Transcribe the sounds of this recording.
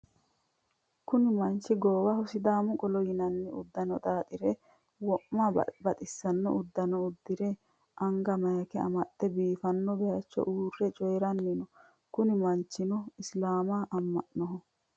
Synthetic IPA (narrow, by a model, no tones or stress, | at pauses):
kʊnɪmɐnt͡ʃːɪɡoːwɐhʊsɪd̪aːmʊkʼɔlɔjɪnɐnːɛʊ̰d̪ːɐnɔt̪ʼaːt̪ʼɪɾɛ | wɔʔːabɐt̪ʼɪsːɐnːɔ̰ʔʊd̪ːɐnɔʊd̪ːɪɾɛ | ʔɐŋɡɐmɐjɐkɛɐ̰mɐt̪ːɛbiːfɐnːɔbɛjɐt͡ʃːɔ̰ʔuːrːɛt͡ʃʼɔjɾɐnːɪnɔ | kʊnɪmɐnt͡ʃːɪnɔɪslaːmaʔɐmːɐʔnɔɦɔ